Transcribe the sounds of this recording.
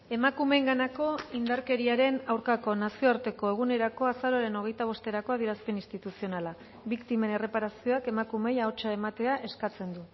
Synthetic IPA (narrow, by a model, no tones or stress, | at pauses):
e̞makume̞ŋɡanako̞ind̪aɾke̞ɾiaɾe̞nawɾkako̞nasioaɾt̪e̞ko̞e̞ɣ̞une̞ɾako̞asaɾo̞aɾe̞no̞ɣ̞e̞jt̪aβ̞o̞st̪eɾako̞aðieɾaspe̞nist̪it̪usio̞nala | βikt̪ime̞ne̞re̞paɾasio̞ake̞makume̞jaot͡ʃae̞mat̪e̞aʔe̞skat͡se̞nd̪u